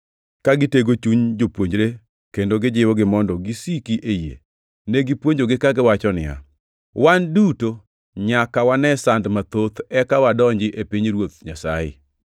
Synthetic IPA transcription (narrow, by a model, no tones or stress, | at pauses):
kaɡɪteɡot͡ʃuɲd͡ʒopwoɲd͡ʒɾe | kendoɡɪd͡ʒɪwɔɡɪmɔndɔɡisikiʔejḛ | neɡɪpwoɲd͡ʒoɡɪkaɡɪwat͡ʃɔnɪja̰ | wanduto | ɲakawanɛsandmat̪ot̪ɛkawadɔɲd͡ʒɪʔepiɲɾwot̪̚ɲasa̰jɪ̰